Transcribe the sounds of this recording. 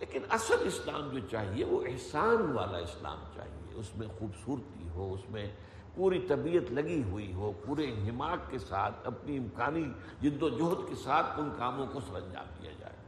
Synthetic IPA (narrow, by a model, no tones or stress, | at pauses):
leːkɪnɐsəd̪ɪslaːmd͡ʒoːt͡ʃaːɦieʋoʔɪɦsaːnʋa̰ːla̰ɪsla̰ːmt͡ʃa̰ːɦḭḛʊsmẽxuːbsuːɾt̪ḭɦoʊsmẽ | puːɾit̪ɐbiːət̪lɐɡiɦuiɦopuːɾeɦɪmaːkkːesaːt̪ʰɐpniɪmkaːni | d͡ʒɪd̪od͡ʒoːt̪kesaːt̪ʰʊnkaːmõkosɐɾɐ̃ɲd͡ʒa̰ːbkḭja̰d͡ʒa̰ːḛː